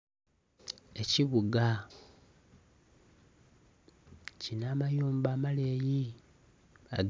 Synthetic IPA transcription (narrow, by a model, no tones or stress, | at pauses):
e̞ciβuɡa | cinamajuːmbaːmaleːji | a̰ɡ